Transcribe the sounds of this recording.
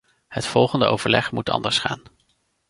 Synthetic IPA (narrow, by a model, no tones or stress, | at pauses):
hətfɔlˠχəndəʔo̰wvəɹlɛχmutɑ̰ndəɹsχa̰ːn